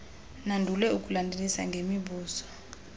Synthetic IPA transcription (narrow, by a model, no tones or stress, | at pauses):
nandʱulɛuk̬ʼulandʱelisa̰ŋɡʱemiɓuːsɔ̥